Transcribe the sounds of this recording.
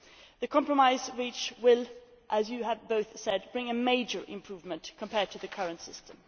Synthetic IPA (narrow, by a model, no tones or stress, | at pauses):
ðɨkʰɑ̃mpɹəmaɪzɹit͡ʃwɪlˠʔəzjɨəvboʊθsɛd̚bɹɪ̃ŋɨmeɪd͡ʒə˞ʔɪ̃mpʰɹ̥uvmɨ̃nkʰə̃mpʰɛɹd̚tʰɨðɨkʰʌɹɨ̃ntsɪstʰə̃m